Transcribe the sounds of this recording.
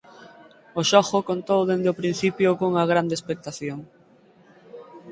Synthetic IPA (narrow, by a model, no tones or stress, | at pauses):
oʃɔxʊkont̪owðend̪eʊpɾin̟θipjʊkoŋɐɣ̞ɾand̪espek̚t̪aθjoŋ